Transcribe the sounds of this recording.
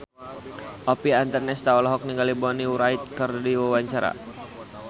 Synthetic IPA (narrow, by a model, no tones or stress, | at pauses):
ʔɔpiant̪ərnɛst̪aɔlaɦɔk̚niŋɡalibɔniuɾaɪt̪̚kɨrdiwawaɲt͡ʃaɾa̰